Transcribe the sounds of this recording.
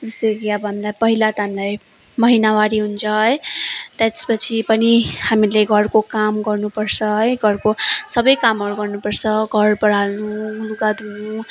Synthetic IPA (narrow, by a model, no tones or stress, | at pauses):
d͡zesekiʌbʌɦamilajpʌɦilat̪ʌɦamilaj | mʌɦinawaɽiɦunt͡sʰʌʌjt̪ʌt̪e̥spʌt͡sʰipʌnihamileɡʱʌrkokamɡʌrnupʌrt͡sʰʌʌjɡʱʌrkosʌbʌjkamɦʌɾuɡʌrnupʌrt͡sʰʌɡʱʌrbʌɽ̤alnuuluɡad̪unu